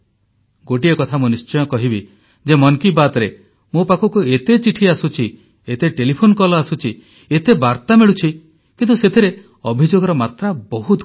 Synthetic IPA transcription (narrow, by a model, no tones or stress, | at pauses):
ɡoʈiekɔt̪ʰamunist͡ʃɔjɔkɔɦibi | d͡ʒemɔŋkibat̪ɾe | mopakʰɔkuet̪et͡ʃiʈʰiasut͡ʃʰi | et̪eʈelipʰonkɔlɔasut͡ʃʰi | et̪ebaɾt̪ameɭut͡ʃʰi | kint̪uset̪ʰiɾe | ɔbʱid͡ʒoɡɔɾɔmat̪ɾabɔɦut̪